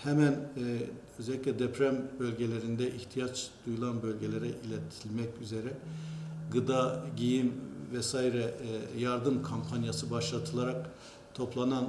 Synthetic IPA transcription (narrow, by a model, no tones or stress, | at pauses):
hɛmæn | øzɛlʲːicʲlʲɛd̪ɛpʰɾæmbølʲɟelʲeɾind̪ɛʔiht̪ʰijat͡ʃd̪̥ujulˠanbø̞lʲɟelʲeɾɛʔilʲɛt̪ʰilʲmɛcyzeɾɛ | ɡɯd̪aɟijimvɛsaiɾɛjaɾd̪ɯmkʰompʰanjasɯbaʃlˠat̪ʰɯlˠaɾak | t̪ʰo̞plˠanan